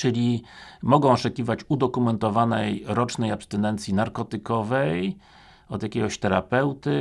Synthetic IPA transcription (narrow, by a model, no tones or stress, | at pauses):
t͡ʂɘlʲi | mɔɡɔ̃w̃ɔt͡ʂɛkʲivat͡ɕud̪ɔkumɛnt̪ɔvanɛjɾɔt͡ʂnɛjapst̪ɛnɛnt̪sʲjinaɾkɔt̪ɘkɔvɛj | ɔd̪jakʲɛɡɔɕt̪ɛɾa̰pɛwt̪ɘ